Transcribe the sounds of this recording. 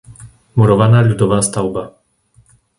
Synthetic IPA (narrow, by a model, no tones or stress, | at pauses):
muɾɔvanalʲud̪ɔvast̪awba